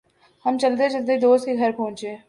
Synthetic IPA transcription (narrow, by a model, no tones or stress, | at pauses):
hɐmt͡ʃɐld̪et͡ʃɐld̪ed̪oːst̪kiɡʱɐɾpɔ̃ʊ̃t͡ʃeː